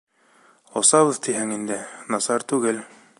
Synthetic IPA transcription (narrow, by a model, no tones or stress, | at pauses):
ŏsɑβɤðt̪iɦæŋind̪ɘnɑsɑɾt̪ʉɡɘl